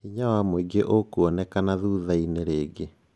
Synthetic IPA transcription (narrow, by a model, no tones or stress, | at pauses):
iɲawamweɡeʔokuɔnɛkanaðuːðaineɾeːɡe